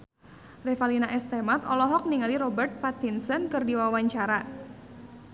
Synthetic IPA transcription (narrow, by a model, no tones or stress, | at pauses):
rɛfalinaʔɛst̪ɛmat̪ɔlɔɦɔk̚niŋaliɾɔbɛrt̪̚pat̪insənkɨrdiwawaɲt͡ʃaɾa